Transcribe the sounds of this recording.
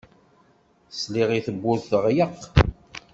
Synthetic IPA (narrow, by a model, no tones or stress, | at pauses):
sliʁiθəbːʊɾθθəʁjəq